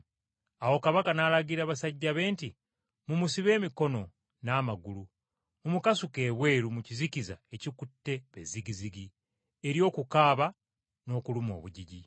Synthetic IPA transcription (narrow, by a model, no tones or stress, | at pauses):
awo̞kaβakanaːlaɡiɾaːβasaɟːaβe̞ːnti | mumusiβe̞ːmiko̞no̞ | naːmaɡulu | mumukasuke̞ːβwe̞ːɾumuciziciza̰e̞cikutːe̞βḛziɡiziɡi | eɾjo̞ːkukaːβa | no̞ːkulumo̞̰ːβuɟiɟi